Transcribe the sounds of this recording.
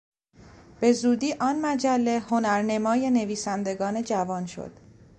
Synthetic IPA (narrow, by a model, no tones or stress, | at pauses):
b̥e̞zuːd̪iːʔɒːnmæd͡ʒælːe̞ho̞næɾne̞mɒːje̞ne̞viːsænd̪e̞ɡɒːne̞d͡ʒævɒːnʃo̰d̪̥